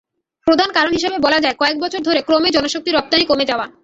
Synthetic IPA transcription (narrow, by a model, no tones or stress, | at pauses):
pɾod̪ʱankaɾonɦiʃebebɔlad͡ʑaekɔek̚bɔt͡ɕʰoɾd̪ʱoɾekɾomed͡ʑɔnoʃok̚t̪iɾɔp̚t̪anikomed͡ʑaoa